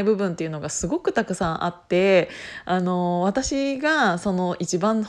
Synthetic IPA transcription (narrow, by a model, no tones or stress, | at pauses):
ibɯ̟bɯ̟̃nt̪eiɯ̟no̞ɡasɨɡo̞kɯ̟t̪akɯ̟sãɰ̃ʔa̰t̪ːe̞ano̞βat̪aɕiɡaso̞no̞ʔit͡ɕibãñ